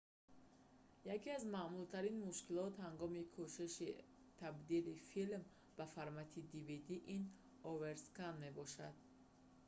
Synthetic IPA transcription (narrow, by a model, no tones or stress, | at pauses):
jakiazmamult̪ʰaɾinmuʃkilɔt̪haŋɡɔmikʰuʃiʃi | t̪ʰabd̪ilifilm | b̥afaɾmat̪ʰid̪ivid̪iʔin | ɔveɾskanme̞bɔʃad̪̚